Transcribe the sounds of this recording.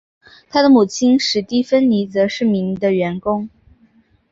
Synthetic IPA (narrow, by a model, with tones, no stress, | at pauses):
t̪ʰa˥d̪ə˨mu˨˩t͡ɕʰi˥nʂɻ̩˧˥t̪i˥˩fə˥nli˧˥t͡sɤ˧˥ʂɻ̩˥˩mi˧˥ŋd̪ə˧ɥɛ˧˥nkʊ˥ŋ